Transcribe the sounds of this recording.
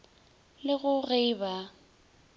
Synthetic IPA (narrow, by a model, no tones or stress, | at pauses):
lɪɣʊɣejba